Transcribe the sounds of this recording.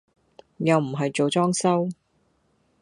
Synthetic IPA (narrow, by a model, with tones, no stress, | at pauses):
jɐ˨˧wm̩˨˩ɦɐ˨jt͡ʃo˨wt͡sɔː˥ŋsɐ˥w